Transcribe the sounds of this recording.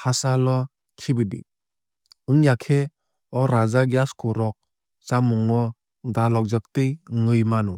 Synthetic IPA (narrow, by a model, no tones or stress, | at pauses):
hasalɔ | kʰibɯdḭ | ɯŋjakʰe | ɔɾazaɡjaskʰɔɾɔk̚ | t͡ʃamuŋɔ | dalɔk̚zak̚tɯjŋɯjmanu